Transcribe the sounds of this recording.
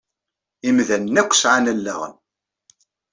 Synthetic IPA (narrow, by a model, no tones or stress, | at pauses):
imðænːækʷːsʕanælːæ̰ʁə̰n